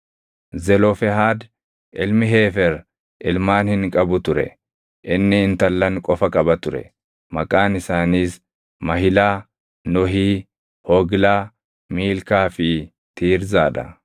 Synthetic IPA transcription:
zɛlɔfɛɦaːd̪ | ʔɪlmɪɦe̞ːfɛɾ | ʔɪlmaːnhɪŋkʼɐbʊt̪ʊɾɛ̰ | ʔɪnːɪɪnt̪ɐlːɐŋkʼɔfɐkʼɐbɐt̪ʊɾɛ̰ | mɐkʼaːnɪsaːniːs | mɐɦɪlaː | nɔɦiː | hɔːɡlaː | miːlkaːfɪ | t̪ʰiːɾzaːᶑɐ̰

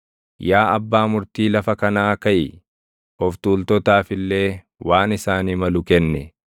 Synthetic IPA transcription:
jaːɐbːaːmʊɾt̪iːlɐfɐkɐnaːkɐʔɪ | ɔft̪uːlt̪ɔt̪aːfɪlːe̞ː | waːnɪsaːniːmɐlʊkɛnːɛ

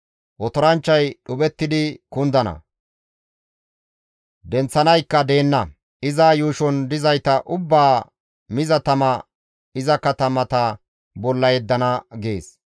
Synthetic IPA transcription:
ʔɔt̪ɔɾɐnt͡ʃːɐjɗʊbɛt̪ːɪd̪ɪkʊnd̪ɐnɐ̰ | d̪ɛnt͡sːɐnɐjkːɐd̪e̞ːnːɐ | ɪzaːjuːʃɔnd̪ɪzɐjt̪ɐʔʊbːaː | mɪzɐt̪ɐmɐ | ɪzɐkɐt̪ɐmɐt̪ɐ | bɔlːɐjɛd̪ːɐnɐɡeːs

